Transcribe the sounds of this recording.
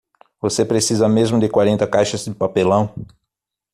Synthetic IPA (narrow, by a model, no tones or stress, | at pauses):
vosepɾesizɐmezmʊd̪ɪkwaɾẽnt̪ɐkajʃɐzd̪ɪpapelɐ̃w̃